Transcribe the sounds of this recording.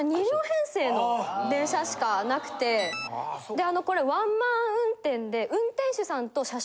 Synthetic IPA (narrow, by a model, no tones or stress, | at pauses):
ɲ̟iɾʲoːhẽ̞ɰ̃se̞ːnod̪ẽ̞ɰ̃ɕaɕi̥kanakɯ̟̥t̪e̞ | d̪e̞ano̞ko̞ɾe̞βãmmãɰ̃ɯ̟̃nt̪ẽ̞nd̪e̞ʔɯ̟̃nt̪ẽɰ̃ɕɨsãnt̪o̞ɕa